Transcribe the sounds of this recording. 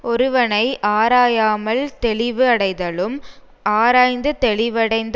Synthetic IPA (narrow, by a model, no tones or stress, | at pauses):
ʔɔɾɯʋɐnɐɪʔaːɾaːjaːmɐlt̪ɛɭɪʋɯɐɽɐɪðɐɭɯm | ʔaːɾaːjnd̪ɯt̪ɛɭɪʋɐɽɐɪnd̪